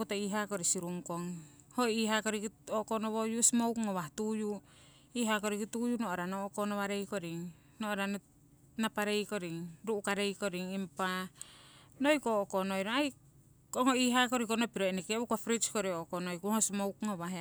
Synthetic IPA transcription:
kutoiɦakoɾisiɾuŋkoŋ | hoiɦakoɾikioʔkonoβojusmowkŋoβahtuju | iɦakoɾikitujunoʔoɾanokonoβaɾejkoɾiŋ | nooɾan | napaɾejkoɾiŋɾuʔukaɾejkoɾiŋimpa | nojkookonojɾoaj | koŋoiɦakoɾikonopiɾoenekeukofɾit͡ʃkoɾioʔkonojkuhosmowkŋoβaɦ

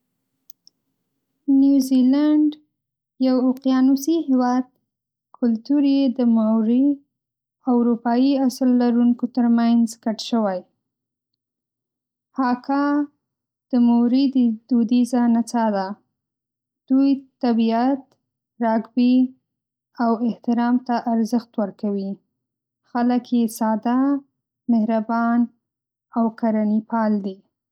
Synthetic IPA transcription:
njuzilaɳɖ | jawoqjɑnusihewɑd̪̚ | kʰʊlt̪uɾjed̪əmawɾi | awɾupɑjiaslːaɾuŋkot̪əɾmanzkaʈʃəwaj | hɑkʰɑ | d̪̥əmuɾid̪id̪ud̪izanat͡sad̪a | d̪̥ujt̪abiat̪ | ɾɑɡbi | awɪht̪ɪɾɑmt̪aʔːɾzəxt̪wəɾkawi | xaləkjesɑd̪a | mehɾabɑn | awkaɾanipɑld̪i

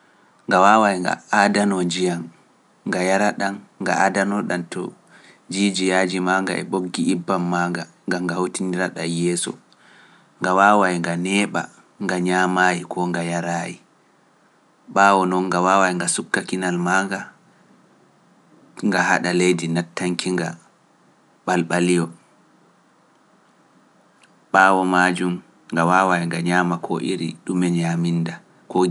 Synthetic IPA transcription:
ŋɡawawajŋɡa̰adanɔd͡ʒijanː | ɡajaɾaɗanːɡa̰ʔadanɔɗantɔ̰ | d͡ʒid͡ʒijad͡ʒimaŋɡa̰ʔɛ̰ɓoɡːiibːamːaːŋɡa | ŋɡamɡahotindiɾaɗajɛsɔ̰ | ŋɡawaːwajŋɡanɛːɓa̰ | ŋɡaɲaːmajikʰɔŋɡajaɾaːji | ɓaːwɔnɔŋːɡawaːwajŋɡasukːakinalmaŋɡa | ŋɡaha̰ɗalejdinatːaŋkiŋɡa | ɓalɓalijɔ | ɓaːwɔmad͡ʒum | ŋɡawawajŋɡaɲaːmakʰɔ̰ʔiɾiɗumɛɲaminda | kɔ

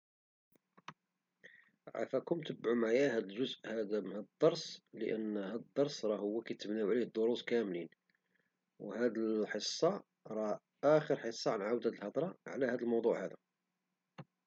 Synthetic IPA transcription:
ʕa̰fækʊmt̪əbʕumaʕjæhæd̪əlʒʊzʔhæd̪æmhæd̪əd̪ˤːɑɾˤsˤlə̰ʔənːhæd̪əd̪ˤːɑɾˤsˤɾˤɑhʊwːækæt̪əmnæwʕlihd̪ˤoɾuskæmlin | whæd̪əlħəsˤːɑ | ɾˤɑ | ʔæxəɾħəsˤːɑʕanʕawd̪hæd̪əlħɑt̪ˤɾˤɑʕlæhæd̪əlmɑwd̪ˤuʕhæd̪æ

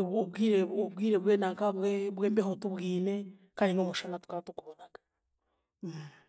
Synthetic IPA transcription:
βoβwiɾeoβwiːɾeβwenakaβweβweːmbeɦotuβwiːne | kaniŋomuʃanatu̥katukuβonaɡḁ

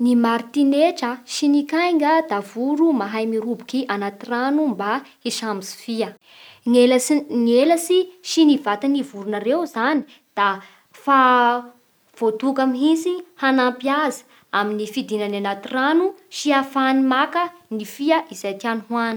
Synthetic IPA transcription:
nimaɾt̪ineʈ͡ʂəʃinikajŋɡəd̪̥avuɾumaɦajmiɾubukiʔanat̪iranumba | iʃamisi̥fiə | ŋelŋelasiʃinivat̪anivuɾunaɾewzani̥ | d̪̥a | fa | v̥ot̪ukamɦisihanampiazə̥ | aminifid̪inananat̪iranuʃiafanimakənifiəʔiz̥ajt̪ianuɦwan̥

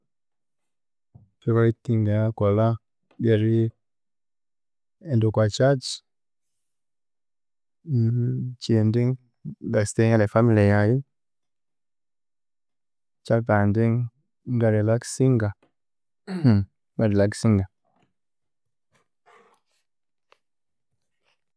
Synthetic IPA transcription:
fiɾaitːiŋɡaŋakola | ɡeɾi | ɛndokwat͡ʃat͡ʃ | t͡ʃendiŋ | ɡasteŋalefamilijaji | t͡ʃabandiŋ | ɡaɾelaksiŋɡa | ŋaɾilaksiŋɡa

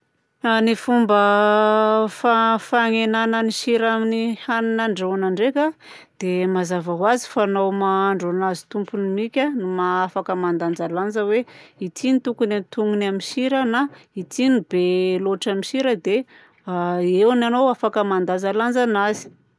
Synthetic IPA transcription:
anifumbə | fafaŋenanəniʃiɾaminihaninaɳɖ͡ʐewanaɳɖ͡ʐeka | d̪̥emazavaɦwazi̥fanowmaaɳɖ͡ʐanazi̥t̪umpunimikʲanumaafakəmand̪and͡zaland͡zəweit̪init̪ukunent̪uŋunaminʃiɾənait̪inib̥eloʈ͡ʂamiʃiɾəd̪e | ewnanowafakəmand̪anzaland͡zanazi̥

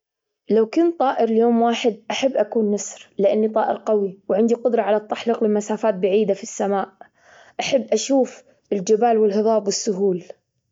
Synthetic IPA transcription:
lawkʊnt̪ˤːɑːʔɪɾljoːmwaːħɪd̪̚ʔaħabːʔakuːnːasɾlɪʔanːit̪ˤɑːʔɪ̰ɾqawiwʕɪnd̪iqʊd̪ɾˤɑʕalat̪ˤːaħliqlɪmasaːfaːt̪̚baʕiːd̪afisːamaːʔ | ʔaħabːʔaʃuːf | ɪld͡ʒɪbaːlwɪlɦɨðˤɑːbwɪsːʊɦuːl

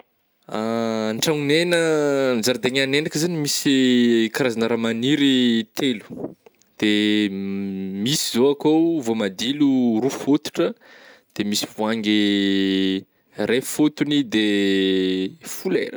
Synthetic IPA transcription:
aɳʈ͡ʂaŋunenənzaɾd̪eŋanenakəzanimisikaɾazanaɾamaniɾit̪elu̥ | d̪̥e | misizoakowvomad̪ilurufot̪u̥ʈ͡ʂəd̪̥emisivuaŋɡe | refot̪unid̪e | fulḛɾə

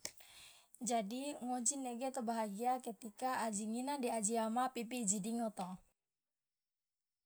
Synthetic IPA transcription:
d͡ʒadiŋod͡ʒineɡɛt̪əbaɦaɡiakət̪ikaʔad͡ʒiŋinadiad͡ʒiamapipid͡ʒidiŋɔt̪ɔ

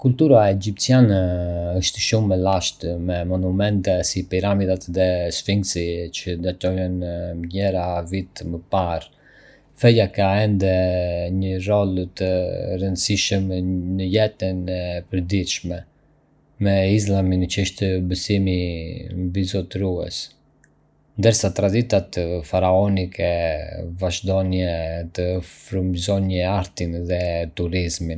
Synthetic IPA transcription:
kult̪uɾaɛd͡ʒip̚t̪sjanɛəʃt̪ʃumːɛlaʃt̪mɛmɔnumɛnt̪ɛsipiɾamid̪at̪ðɛsfiŋɡsit͡ʃəd̪at̪ɔjɔnɲɛɾavit̪məpaɾ | fɛjakaɛnd̪ɛɲərɔlt̪ərənd̪əsiʃəmnəjɛt̪ənɛpəɾd̪it̪ʃmɛ | mɛis̬laminət͡ʃəʃt̪ɛbəsimimbizɔt̪ɾuɛ̰s | nd̪əɾsat̪ɾad̪it̪at̪faɾaɔnikʰɛvaʒd̪ɔnjɛt̪əfɾumzɔnjɛaɾt̪inðɛt̪uɾizmin

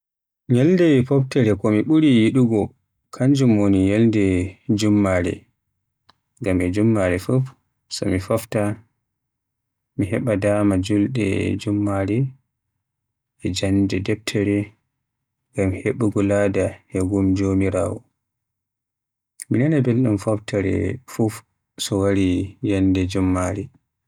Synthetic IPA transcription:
ɲɛlndɛpɔptɛɾɛkɔmiɓuɾijiɗuɡɔ | kʰaɲd͡ʒumonijɛldɛd͡ʒumːaɾɛ̰ | ŋɡamɛd͡ʒumːaɾɛfuf | sɔ̰mifafta | miɦɛɓadaːmad͡ʒulɗɛ̰d͡ʒumːaɾɛ | ʔɛd͡ʒandɛdɛp̚tʰɛɾɛ | ɡamheɓuɡɔladaɛɡumd͡ʒomiɾaːwɔ | minanabelɗumfaftʰaɾɛ̰fuf | sɔwaɾijandɛd͡ʒumːaɾɛ

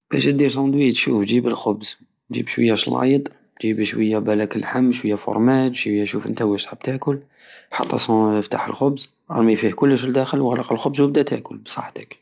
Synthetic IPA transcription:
b̥æʃəd̪iɾsɑd̪wit̪ʃufd͡ʒibəlxʊbz | ʒḭbʃwəjːæʃlɑ̰jd̪ˤ | ʒibʃwəjːæbælækəlħamːʃwəjːæfo̰ɾˤmæt̪ʃijːæʃufʔə̰nt̪æwæʃt̪ħab̚t̪æʔkʊl | ħɑ̰t̪ˤːɑ̰sft̪a̰ħə̰lxʊbz | ʔɑ̰ɾˤmifihkʊlːəʃəld̪æxəlwɣlɑqəlxʊbzwəb̚d̪æt̪æ̰ʔkʊlbsˤɑ̰ħt̪ə̥k

